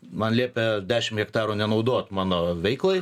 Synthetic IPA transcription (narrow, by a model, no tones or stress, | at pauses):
mɐnlʲiːpʲɛd̪ʲæːʃʲɪmɣʲɛkt̪ɑːɾuːnʲɛnɐʊd̪oːt̪mɑːnoːʋʲɛɪklˠoɪ